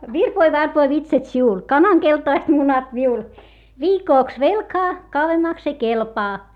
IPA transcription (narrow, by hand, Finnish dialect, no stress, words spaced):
ʋirpoi ʋɑrpoi ʋitsɑt siul kɑnɑŋ keltɑist munɑt miul ʋiːkoˑks ʋelkɑː kɑuwemːɑks ei kelpɑː